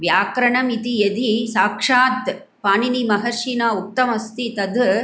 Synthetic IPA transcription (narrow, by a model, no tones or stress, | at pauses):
ʋjaːkɾɐɳɐmit̪ijɐd̪isaːkʂaːt̪ | paːninimɐɦɐɾʃiːnaːuk̚t̪ːɐmɐst̪it̪ɐd̪